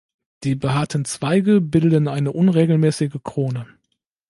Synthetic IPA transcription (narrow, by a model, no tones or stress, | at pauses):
d̥iːbəɦaːɐtən̩t͡sv̥aɪɡəbɪldənʔaɪnəʔʊnʁeːɡl̩mɛːsɪɡəkʁ̥oːnə